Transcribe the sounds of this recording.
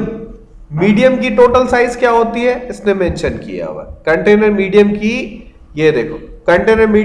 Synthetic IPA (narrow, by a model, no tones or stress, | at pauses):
miːɖijəmkiʈoːʈəlsaːɪzkjaːɦoːt̪iɦɛɪsnemɛ̃nʃənkḭja̰ɦo̰a̰kɐ̃ɳʈeːnəɾmiːɖijəmki | jed̪eːkʰoːkɐɳʈeːnəɾmiː